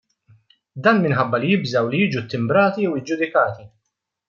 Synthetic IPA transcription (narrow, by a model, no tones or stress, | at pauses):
d̪ɐːnmɪnħɐbːɐlijɪbzɐwlijiːd͡ʒut̪ːɪmbɾɐːt̪iɛwɪd͡ʒʊd̪ɪkɐːt̪i